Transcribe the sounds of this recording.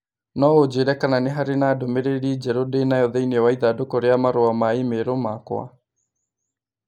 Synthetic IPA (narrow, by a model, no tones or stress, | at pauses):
nɔod͡ʒeɾɛkananeɦaɾenaːdomeɾeɾid͡ʒɛɾodenajɔðɛiniɔwaiðadokoɾeamaɾoamaemeɾomakw̰a̰